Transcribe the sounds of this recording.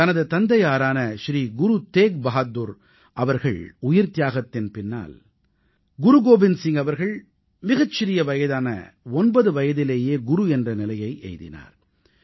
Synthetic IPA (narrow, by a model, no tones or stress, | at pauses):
t̪ɐnɐðɯt̪ɐnd̪ɐjaːɾaːnɐʃɾiːɡʊɾut̪eːk̚bɐɦad̪uɾ | ʔɐʋɐɾɣɐ̰ɭʊjɪɾt̪ɪjaːɣɐt̪ːɪnpɪnːa̰ːl | ɡʊɾuɡoːbɪnsɪŋɐʋɐɾɣɐɭ | mɪɣɐt͡ʃːɪɾɪjɐʋɐjɐðaːnɐ̰ | ɔnbɐðɯʋɐjɐðɪleːjeːɡʊɾuɛndrɐnɪlɐjɐɪʔɛ̰jðɪ̰na̰ːɾ